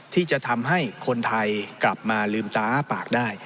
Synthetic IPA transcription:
t̪ʰiː˥˩t͡ɕa˨˩t̪ʰa˧mɦa˥˩jkʰo˧nt̪ʰa˧jkla˨˩p̚maː˧lɯː˧mt̪aː˦˥paː˨˩k̚daː˥˩j

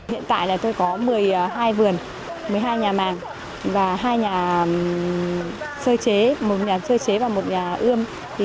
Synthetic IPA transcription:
hḭ˧˨ənt̪a̰ː˧˨jlaː˨˩t̪o˧jkɔ˨˦mɨ˨˩əjɦaː˧jvɨ˨˩ən | mɨ˨˩əjɦaː˧jɲaː˨˩maː˨˩ŋ | vaː˨˩ɦaː˧jɲaː˨˩ | səː˧t͡ɕe˨˦mo˨˩t̚ɲaː˨˩səː˧t͡ɕe˨˦vaː˨˩mo˨˩t̚ɲaː˨˩ʔɨ˧əm

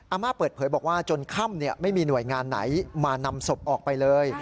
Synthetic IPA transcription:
ʔaː˧maː˥˩pɤː˨˩t̪̚ʰɤː˩˦jbɔː˨˩k̚waː˥˩t͡ɕo˧nkʰa˥˩mni˥˩ɐma˥˩jmiː˧nu˨˩əjŋaː˧nːa̰˩˦jmaː˧na˧mso˨˩p̚ʔɔː˨˩k̚pa˧jlɤː˧j

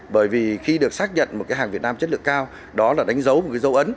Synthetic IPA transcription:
ɓəː˧˩jvi˨˩xi˧ɗɨ˨˩ək̚saː˦˥k̚ɲə̰˧˨nmo˨˩t̚kaː˨˦jaː˨˩ŋvi˨˩ət̚naː˧mt͡ɕə˦˥t̚lɨ̰˧˨əŋkaː˧w | ɗɔ˨˦laː˨˩ɗa˨˦jŋ̟zə˨˦wmo˨˩t̚kːaː˨˦jzə˨˦wʔə˨˦n

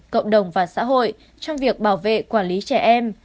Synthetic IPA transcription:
kə̰˧˨wŋ͡mɗə˨˩wŋ͡mvaː˨˩sa̰ː˧˥ɦo̰˧˨j | t͡ɕɔ˧wŋ͡mvi˨˩ək̚ɓaː˧˩wvḛ˧˨kwaː˧˩nli˨˦t͡ɕɛ˧˩ʔɛ˧m

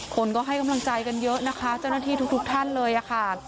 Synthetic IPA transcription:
kʰo˧nkɔː˥˩ɦa˥˩jka˧mla˧ŋt͡ɕa˧jka˧njɤ˦˥ʔna˦˥kʰa˦˥t͡ɕa˥˩wna˥˩t̪ʰiː˥˩t̪ʰu˦˥kt̪ʰu˦˥k̚t̪ʰa˥˩nlɤː˧jʔa˨˩kʰa˥˩

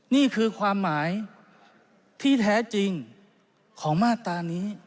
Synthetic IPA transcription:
niː˥˩kʰɯː˧kʰwaː˧mːaː˩˦j | t̪ʰiː˥˩t̪ʰɛː˦˥t͡ɕi˧ŋ | kʰɔː˩˦ŋmaː˥˩t̪aː˧niː˦˥

